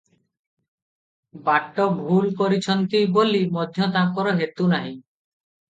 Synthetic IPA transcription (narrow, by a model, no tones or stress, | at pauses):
baʈːɔbʱulkoɾit͡ʃʰɔnt̪ibolimɔd̪ʱjɔt̪akɔɾɔɦet̪unaɦĩ